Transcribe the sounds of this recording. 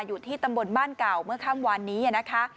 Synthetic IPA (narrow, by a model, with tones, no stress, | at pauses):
juː˨˩t̪ʰiː˥˩t̪a˧mbo˧nbaː˥˩nka˨˩wmɯ˥˩ɐkʰa˥˩mwaː˧nːiː˦˥ʔa˨˩na˦˥kʰa˦˥